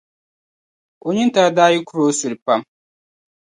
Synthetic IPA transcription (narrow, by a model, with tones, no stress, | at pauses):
o˨ɲi˦n˦ta˦ɾa˦daː˦ji˦kʊ˦ɾo˦sʊ˨ɾɪ˨pa˦m